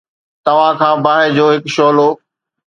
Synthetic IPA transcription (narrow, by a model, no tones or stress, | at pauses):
t̪ɐʋ̤ãkʰãːbaːɦed͡ʑoːɦɪkʃoːloː